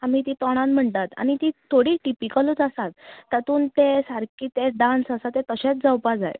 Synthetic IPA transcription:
am̤iːt̪it̪ɔɽ̃ãnm̤əɳt̪at̪a̰ñit̪it̪ʰoɽiːʈipikələt͡səsat̪̚ːat̪uːnt̪esaɾkiːt̪eɖãnsəsat̪et̪əɕet͡s̚d͡zawpad͡za̰j

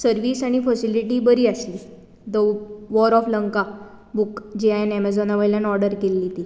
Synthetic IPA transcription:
səɾʋiːsaɽ̃ifəsiliʈiːbəɾiːəsliː | d̪əʋɔɾɔfləŋka | bukd͡ʑiajanɛmɛd͡zɔnaʋəɭljãnɔɾɖəɾkelːit̪iː

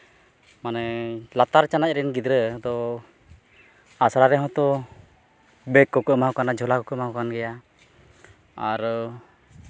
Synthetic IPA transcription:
manɛlat̪aɾt͡ʃanac̚ɾɛnɡid̪ɾəd̪ɔ | asaɾaɾɛɦɔ̃t̪ɔ | bɛkːɔkəmawkanad͡ʒʱɔlakɔkəmaɦwkanɡɛja | a̰ɾ

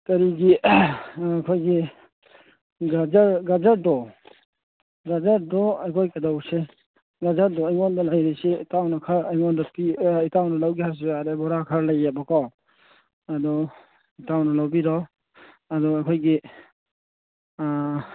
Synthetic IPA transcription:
kaɾiɡi | akʰɔjɡi | ɡad͡ʒɾɡazaɾ̚dɔ | ɡazaɾdɔajkʰɔjkadawse | ɡazaɾ̚dɔajŋɔndɔlajɾiseitawnakʰaɾajŋɔndɔpiitawnɔlawɡihaɾs̬ibadebɔɾakʰaɾlajːabɔkɔw | adɔ | itawnɔlawbiɾɔ | adɔakʰɔjɡi

